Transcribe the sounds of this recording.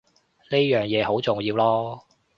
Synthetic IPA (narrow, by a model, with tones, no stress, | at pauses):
ne˥jœː˨˩ŋjɛː˨˧ɦo˨˥wt͡sʊ˨˩ŋjiː˧wlɔː˥